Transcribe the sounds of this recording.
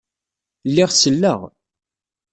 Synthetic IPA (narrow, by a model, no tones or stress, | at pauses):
lːɪʁsəlːəʁ